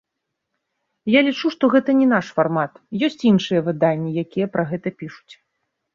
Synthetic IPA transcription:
jalʲit͡ʂuʂt̪ɔɣɛt̪ɐnʲɛnaʂfarmat̪jɔsʲt͡sʲinʂɨjɐvɨd̪anʲːijakʲijɛpɾʔɐɣɛt̪ɐpʲiʂu̥t͡sʲ

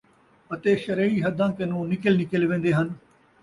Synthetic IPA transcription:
ət̪eːʃəɾeːiːɦəd̪ãːkənũːnɪkəlnɪkəlʋẽːnd̪eːɦən

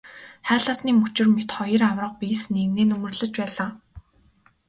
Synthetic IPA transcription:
χæːɮaːsniːmɵt͡ɕɪ̆rmet̪χɔjə̆rawrə̆q̚piːsneɣneːnɵmɵ̆rɮɵ̆t͡ɕpæːɮaː

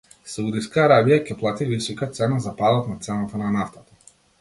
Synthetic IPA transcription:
saud̪iskaːɾabijacɛplˠat̪ivisɔkat̪sɛnazapad̪at̪nat̪sɛnat̪ananaft̪at̪ḁ

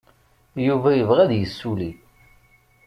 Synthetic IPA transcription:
juvæjəvʁæðjəsːuli

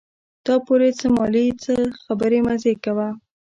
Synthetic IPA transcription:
d̪̥ɑpoɾet͡səmɑlit͡səxabəɾemazekawa

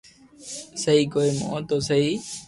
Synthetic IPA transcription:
səɦiːkoːiːmõ̰t̪oːsəɦiː

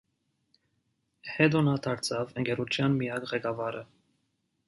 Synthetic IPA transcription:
hɛd̪ɔnɑt̪ʰɑɾt͡sʰɑvəŋkɛɾut͡ʃʰjɑnmijɑkʁɛkɑvɑɾə

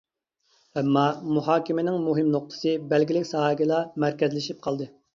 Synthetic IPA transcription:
ɛmːɑmuɦɑːkʲimɪnɪŋmuɦɪmnoq̚t̪ʰɨ̥sɨbælɡʲilɪkʲsɑːɡʲilˠɑmæɾkʲɛzlɪʃip̚qʰɑlˠd̪ɨ

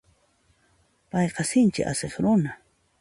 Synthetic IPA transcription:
pajqɑsɪnt͡ʃɪ̰ʔa̰seχɾʊna

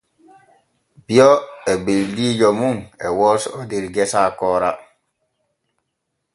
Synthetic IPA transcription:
biɔɛbildid͡ʒɔmuŋɛwɔsodiɾɡɛsaːkɔːɾa

